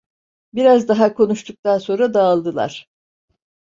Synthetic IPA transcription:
biɾazd̪aɦakʰo̞nuʃt̪ʰuk̚t̪anso̞nɾad̪aːlˠd̪ɯlˠa̰ɾ̥

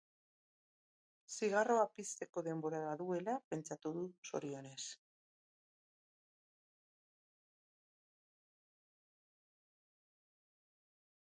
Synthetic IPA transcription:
siɣ̞aro̞apist̪e̞ko̞ðe̞mbo̞ɾaβaðue̞lape̞nt͡ʃat̪uðuso̞̰ɾio̞ne̞s

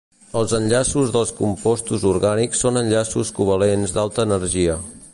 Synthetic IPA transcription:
əlˠzənʲʎasuzðəlˠskumpɔst̪uzuɾɣaniksːonənʲʎasuskuβəlenzd̪alˠt̪əːnəɾʒiə

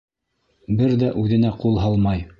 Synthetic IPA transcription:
bɘɾðæʔʉðɘ̆næqulˠɦɑlˠmɑj

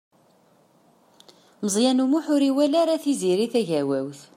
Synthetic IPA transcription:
məzˤjænumuħʊɾiwælaɾaθiziɾiθæʝæwæwθ

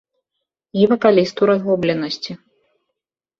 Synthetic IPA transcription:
ivɐkalʲist̪uɾazɣɔblʲɛnɐsʲt͡sʲi

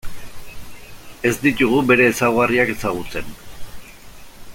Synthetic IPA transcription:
e̞zd̪it̪uɣ̞ube̞ɾe̞ːsawɣariake̞saɣ̞ut͡se̞n

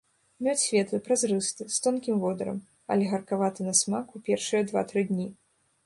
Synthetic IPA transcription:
mʲɔt͡sʲsʲvʲɛt̪lˠɨpɾazrɨst̪ɨst̪ɔnkʲimvɔd̪ɐɾɐ̰m | ɐ̰lʲɛɣɐrkavat̪ɨnɐsmakupʲɛrʂɨjɐd̪va̰t̪ɾɨd̪ʲnʲi

